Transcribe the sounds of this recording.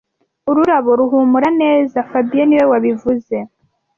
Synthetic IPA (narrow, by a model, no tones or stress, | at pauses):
uɾuɾaβo̞ɾuɦumuɾane̞ːzafabijeniwe̞waβivuze̞